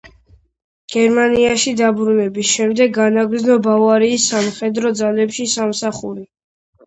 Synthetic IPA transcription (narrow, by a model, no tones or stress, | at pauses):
ɡ̥ɛɾmaniaʃid̪abɾunɛbisʃɛmd̪ɛɡːanaɡɾd̪znɔbavaɾiːsːamχɛd̪ɾɔd̪zalɛpʃisamsaχuɾi